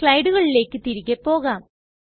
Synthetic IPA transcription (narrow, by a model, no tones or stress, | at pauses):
kɭɐjɖuɣɐɭile̞ːkːɨt̪iɾiɣːepːo̞ːɣaːm